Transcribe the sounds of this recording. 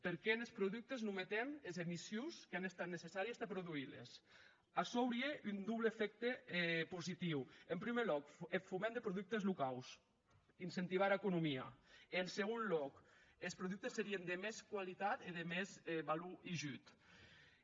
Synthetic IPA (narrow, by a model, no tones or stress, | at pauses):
peɾkɛnelspɾoðuk̚t̪eznumet̪emezemisjuskeanest̪at̪nesesaɾiesd̪epɾuðuilḛs | asɔwɾieʔynd̪uβleːfɛk̚t̪epuzit̪iwempɾimelɔkefumẽnd̪epɾoðuk̚t̪ezlukaws | insent̪iβ̞aɾekunumia̰enseɣ̞onlɔkespɾoðuk̚t̪esːeɾiend̪emeskwalit̪at̪iðemezβaluiʒyt̪